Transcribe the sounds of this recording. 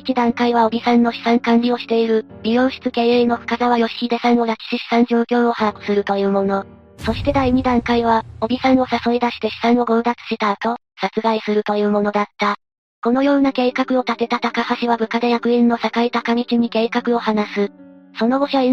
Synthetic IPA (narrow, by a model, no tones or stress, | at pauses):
it͡ɕid̪ãŋkaiβao̞bʲisãnːo̞ɕi̥sãŋkãnɾʲio̞ɕi̥t̪e̞iɾɯ̟ɾʲijo̞ːɕi̥t͡sɨke̞ːeːno̞ɸɯ̟̥kazaβajo̞ɕi̥kʲid̪e̞sãɰ̃o̞ɾakʲi̥ɕiɕi̥sãɲ̟d͡ʑoːkʲo̞ːo̞haɯ̟̥sɨɾɯ̟t̪o̞jɯ̟ːmo̞no̞ | so̞ɕi̥t̪e̞d̪aiɲ̟id̪ãŋkaiβao̞bʲisãɰ̃o̞saso̞ed̪aɕi̥t̪e̞ɕi̥sãɰ̃o̞ɡo̞ːd̪at͡sɨ̥ɕit̪aːt̪o̞ | sat͡sɨɡaisɨɾɯ̟t̪o̞jɯ̟ːmo̞no̞d̪at̪ːa | ko̞no̞jo̞ːnake̞ːkakɯ̟o̞t̪at̪e̞t̪at̪akahaɕiβabɯ̟kad̪e̞jakɯ̟ĩnːo̞sakait̪akamʲit͡ɕiɲ̟ike̞ːkakɯ̟o̞hanasɨso̞no̞ɡo̞ɕai